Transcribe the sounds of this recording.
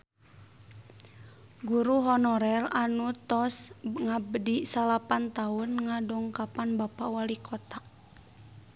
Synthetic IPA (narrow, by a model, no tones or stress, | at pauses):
ɡuɾuɦɔnɔɾɛlanut̪ɔsŋabədisalapant̪aʊnŋadɔŋkapanbapawalikʰɔt̪ak̚